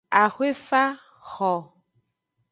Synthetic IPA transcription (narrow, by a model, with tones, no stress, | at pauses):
a˨xwe˦fa˦ | xɔ˨